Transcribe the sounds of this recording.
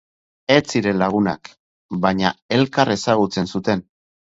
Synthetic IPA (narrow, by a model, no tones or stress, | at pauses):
e̞t͡siɾe̞nlaɣ̞una̰k | baɲae̞lkare̞saɣ̞ut͡se̞nsut̪e̞n